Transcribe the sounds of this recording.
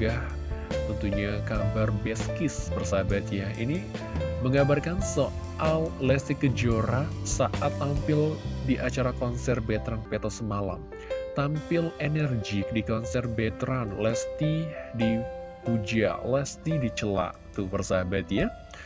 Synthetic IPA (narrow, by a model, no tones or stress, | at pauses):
ɡah | t̪ənt̪uɲakabarbɛskɪsbərsabat̪jaḭni | məŋɡabarkanso | ʔallɛst̪ikəd͡ʒoɾasaʔat̪ːampɪldiʔat͡ʃaɾakɔnsɛrbɛt̪ɾanpet̪osəmala̰m | t̪ampɪlenɛrd͡ʒik̚dikɔnsɛrbɛt̪ɾanlɛst̪idipud͡ʒa̰lɛst̪idit͡ʃəla̰ʔt̪ubərsabat̪ja